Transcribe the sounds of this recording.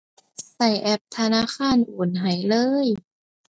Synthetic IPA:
sa˧˩jʔɛ˧˩p̚t̪ʰa˧naː˧˥˨xʰaː˧˥˨nʔuː˨˩˦nɦa˨˩jlɤː˧˥j

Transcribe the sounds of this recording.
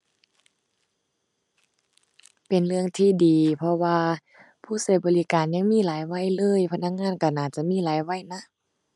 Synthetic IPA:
pe˨˩nlɯ˧əŋt̪ʰiː˧diː˨pʰɔ˧waː˧ | pʰuː˧˥˨sa˨˧˦bɔː˨liː˧˥kaː˨nɲa˧˥˨ŋmiː˧˥˨laː˨˦jwa˧˥˨jlɤː˧˥˨jpʰa˧na˧˥˩k̚ŋaː˧˥˨nka˧˩naː˧˩t͡ɕa˧˦ʔmiː˧˥˨laː˨˦jwa˧˥˨jna˧˥˨ʔ

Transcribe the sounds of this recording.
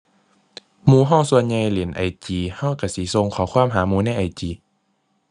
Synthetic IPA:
muː˧ɦɔː˥˨ŋsu˧ənɲa˧jle˨˦nʔa̰˨˩jt͡ɕiː˨˩ha˧˥˩wka˧˩siː˨˦so˧ŋkʰɔː˨˦kʰwaː˧˥˨mɦaː˨˦muː˧˦na˥˨jʔa˨˧˩jt͡ɕiː˨˦

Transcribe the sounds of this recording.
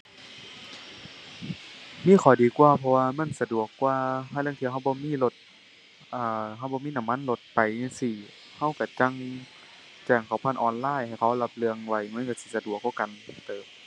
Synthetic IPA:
miː˧˥˨xʰɔ˨˩wdiː˨˩kwaː˧pʰɔ˧waː˧ma˧˥˨nsa˧du˨˩əkːwaː˧hlɯ˧˨ŋt̪ʰːɦa˧˩wbɔː˧˦miː˧˥˨lo˧t̪̚ | ʔaː˧˩ɦa˧˩wbɔː˧˦miː˧˥˨na˧˩˨mːa˧˥˨nlo˧˦t̪̚pa˨ja˧˩˨siː˧˩ | ha˧˥˨wka˧˩t͡ɕa˧˨ŋ | t͡ɕɛː˧˩ŋkʰa˧˩wpʰa˧˨nʔɔː˨nlaː˧˥˨jha˨˩jkʰa˧˩˨la˧p̚lɯ˧əŋwa˧˩jma˧˥˨ka˧˩si˧˦sa˧du˨˩ək̚ːɔː˧˥˩ka˨nt̪ɤː˨m

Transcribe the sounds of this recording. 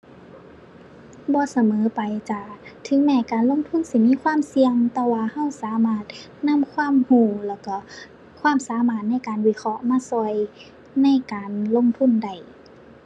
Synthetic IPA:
bɔː˧˦sa˧mɤː˨˦pa˨jt͡ɕa˧˩t̪ʰɯ˧˦ŋmɛː˧˩kaː˨nlo˧˥˨ŋt̪ʰu˧˥˨nsi˧˩miː˧˥˨kʰwaː˧˥˨msi˧əŋt̪ɛː˧waː˧˨ha˧˥˩wsaː˨˦maː˧˥˩t̪̚ | na˧˥˨mkʰwaː˧˥˨mhuː˧˩lɛː˧˩wkɔ˧˩ | kʰwaː˧˥˨msaː˨˦maː˧˩t̪̚na˧˥˩jkaː˨nwi˧˩kʰɔ˧ʔmaː˧˥˨sɔ˧˩j | na˧˥˩jkaː˨nlo˧˥˨ŋt̪ʰu˧˥˨nda˧˩j

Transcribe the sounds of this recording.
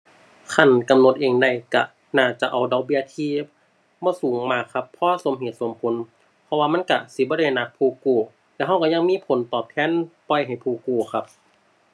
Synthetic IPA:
kʰa˧˩˨nka˧mno˧˦t̪̚ʔeː˧˨ŋda˧˩jka˧˩ | naː˧˩t͡ɕa˧˩ʔa˨˩wdɔ˧˦k̚bi˧˨ɐt̪ʰiː˧˩ | bɔː˧˥˨suː˨˦ŋmaː˧˩kʰːa˧pʰːɔː˧˥˨so˧˦mhe˧˨˩t̪̚so˨˦mpʰo˨˦n | pʰɔ˧waː˧ma˧˥˨nka˧˩si˧˦bɔː˧˦ɾa˧˩jna˧˥k̚pʰuː˧˩kuː˧˩ | lɛ˧˨ɦa˧˥wka˧˩ɲa˧˨ŋmiː˧˥˨pʰo˨˦nt̪ɔː˨˩p̚t̪ʰɛː˧˥˨npɔ˧˨jɦa˨˩jpʰuː˧˩kuː˧˩kʰa˧p̚

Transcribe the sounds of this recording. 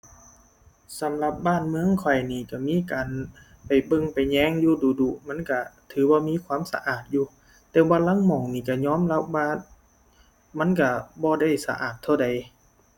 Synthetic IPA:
sa˨˦mla˧p̚baː˧˥˨nmɯ˧˥ə˨ŋkʰɔ˨˩jniː˧˩ka˧˩miː˧˥˨kaː˨n | pa˨˩jbɤ˧˨ŋpa˨˩jɲɛː˧˥˨ŋjuː˧˨duː˨˩duː˧˩ʔma˧˥˨nka˧˩t̪ʰɯː˨˦baː˧˦miː˧˥˨kʰwaː˧˥˨msa̰˧˦ʔaː˨˩t̪̚juː˧ | t̪ɛː˧baː˧˩la˧˥˨ŋmɔː˨˩ŋniː˧˩ka˧˩ɲɔː˧˥˨mla˧p̚waː˧ | ma˧˥˨nka˧˩bɔː˧˦da˧˥˩jsa̰˧ʔa̰ː˨˩t̪ʰːa˧˩wda˨˩j

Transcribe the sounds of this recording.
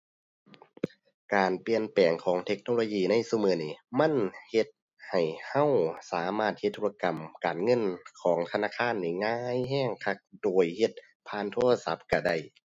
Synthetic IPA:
kaː˨˩npli˨ənpɛː˨˩ŋkʰɔː˨˦ŋt̪ʰe˧˥k̚noː˧loː˧jiː˧˨na˧˥˨jsu˧˩mɯː˧˩niː˧˩ma˧˥˨nhe˧˦t̪̚ | ha˨˩jha˧˥˨wsaː˨˦maː˧˩t̪̚he˧t̪ːʰu˧˥˧a˧ka˨˩mkaː˨˩nŋɤ˧˥˨nkʰɔː˩˦ŋt̪ʰa˧naː˧˥˨kʰaː˧˥˨nːiː˧˩ŋaː˧˥jɦɛː˧˥˨ŋkʰa˧k̚doː˨˩jhe˧˦t̪̚ | pʰaː˧˨nt̪ʰo˧˥˩la˧sa˧˦p̚ka˧˩da˧˥˩j

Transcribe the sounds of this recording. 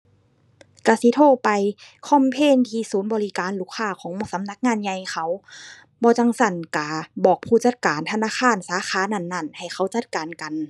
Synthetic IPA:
ka˧˩si˧˦t̪ʰoː˧˩˨pa˨jkʰɔː˧˥˨mpʰeː˧˥˨nt̪ʰiː˧˩suː˨˦nbɔː˧li˦˧kaː˨˦nluː˧˥˩kʰːaː˧˩kʰɔː˨˦ŋmu˧˨ŋsa˨˧˦mna˧˥k̚ŋaː˧˥˨nɲa˧jkxʰa˧˩w | bɔː˧˦t͡ɕa˧˨ŋsa˧˩nka˧˩bɔː˨˩k̚pʰuː˧˩t͡ɕa˧˩t̪̚kaː˨nt̪ʰa˧naː˧˥˨kʰaː˧˥˨nsaː˨˦xaː˧˥na˧˩˨nːa˧˩nha˨˩jxʰa˧˥˩wt͡ɕa˧˥t̪̚kaː˨nka˨n

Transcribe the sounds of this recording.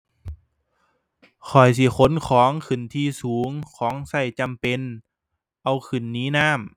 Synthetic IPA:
kʰɔ˨˩js̬i˧˦xʰo˧˦˥nkʰɔː˨˦ŋkʰɯ˨˩nt̪ʰiː˧˨suː˨˦ŋkʰɔː˨˦ŋsa˧˩jt͡ɕa˧˨mpe˧˨n | ʔa˧wkʰɯ˨˩nːiː˧˥˦naː˧˥˨m

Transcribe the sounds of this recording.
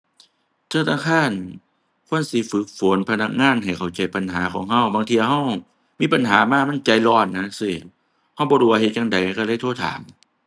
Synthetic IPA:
t̪ʰɯː˧˨t̪ʰaː˧˩ŋkʰaː˧˥˨n | kʰu˧˥˨ə˨nsi˧˦fɯ˨˦k̚fo˨˦npʰa˧na˧˥k̚ŋaː˧˥˨nɦa˨˩jkʰa˨˩wt͡ɕa˨˧˩jpa˧nɦaː˨˦kʰɔː˨˦ŋɦa˧˥˨wbaː˧ŋt̪ʰi˧˨a˧ɦa˧˥˩w | miː˧˥˨pa˨nɦaː˨˦maː˧˥˨ma˧˥˨nt͡ɕa˨˧˦jlɔː˧˩nːa˧n˧˥˨si˧˩ | ha˧˩wbɔː˧duː˧˩wa˧ɦe˧˦t̪̚ja˧ŋda˨˦jka˧la˧˥˨t̪ʰt̪ʰa̰ː˨˦n

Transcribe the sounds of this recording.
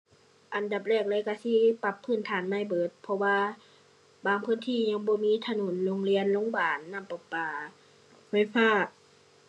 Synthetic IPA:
ʔa˨nda˨˩p̚lɛː˧˩k̚lɤː˧˨ka˧˨si˧˥˨pa˧˩pʰːɯː˧˩˨nt̪ʰaː˨˦nmaː˧˥˨jbɤː˨˦t̪̚pʰɔ˧waː˧ | baː˧˩ŋpʰɯː˧˥˨nt̪ʰiː˧˨ɲa˧˥˨ŋbɔː˧˦miː˧˥˨t̪ʰa˧no˨˦nlo˧˨ŋli˧˥ənlo˧˥˨ŋbaː˨nːa˧˨mpɔ˨˩pːaː˨ | fa˧˩˨jfaː˧˥˩ʔ

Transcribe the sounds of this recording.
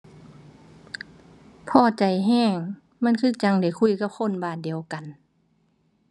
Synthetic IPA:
pʰɔː˧˩t͡ɕa˨˩jɦɛː˧˩˨ŋ | ma˧˥˨nkʰɯː˧˥˨t͡ɕa˧˦ŋda˨˩jkʰu˧˥˩jka˧˥p̚kʰo˧˥˨nbaː˧˩t̪̚di˨əwka˨n

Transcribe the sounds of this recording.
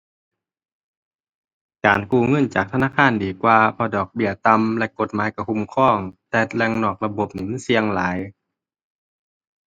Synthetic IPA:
kaː˨˩nkuː˧˩ŋɤ˧˥˨nt͡ɕaː˨˩k̚t̪ʰa˧naː˧˥˨kʰaː˧˥˨ndiː˨˩kwaː˧pʰɔː˧˩dɔː˨˩k̚bi˧˩ət̪a˧mlɛ˧ʔko˧t̪̚maː˨˦jka˧˩kʰu˧˥˨mkʰɔː˧˥˩ŋt̪ɛː˧˩t̪̚lɛː˧˨ŋnɔː˧˩k̚la˧bo˧˦p̚niː˧˨ma˧˥˨nsi˧əŋlaː˨˦j

